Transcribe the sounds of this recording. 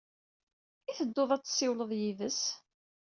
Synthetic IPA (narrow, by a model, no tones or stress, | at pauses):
iθəd̪ːoðˤæt͡sːsːɪwləðˤjivəs